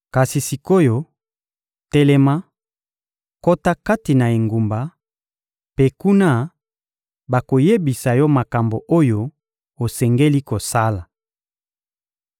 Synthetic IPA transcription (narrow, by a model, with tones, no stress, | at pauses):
ka˨si˨si˨ko˦jo˦ | tɛ˦lɛ˦ma˦ | ko˦ta˦ka˦ti˨na˨e˨ŋɡu˨mba˨ | pe˦ku˦na˦ | ba˨ko˨je˦bi˨sa˨jɔ˦ma˨ka˨mbo˨ʔo˦jo˦ | o˨sɛ˨ŋɡe˦li˦ko˨sa˦la˨